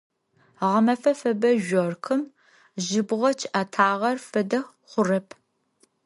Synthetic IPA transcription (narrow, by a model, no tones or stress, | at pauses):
ʁɐmɐfɐfɐbɐʒʷɔrkʰɨm | ʒɪbʁɐt͡ʃʰʔatʰaːʁɐrfɨdɐ | χʷʊrɐpʰ